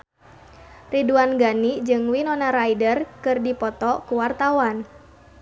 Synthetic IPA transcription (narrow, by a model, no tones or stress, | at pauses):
riduanɡanid͡ʒɨŋwinɔnaɾaidərkɨrdipɔt̪ɔkuwart̪awan